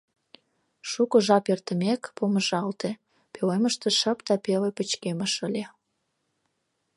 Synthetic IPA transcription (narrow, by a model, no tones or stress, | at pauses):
ʃukŏʒɑpert̪ə̆mekpoməʒɑlt̪e | peleməʃt̪eʃə̆pd̪ɑpelepət͡ɕkeməʃəlʲe